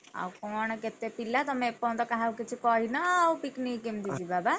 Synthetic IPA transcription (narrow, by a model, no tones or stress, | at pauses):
a̰wkɔːnket̪ːepilːat̪ɔmepːɔ̃nd̪ɔkaɦawkit͡ʃʰikɔɦinawpiknikːimd̪id͡ʒibaːba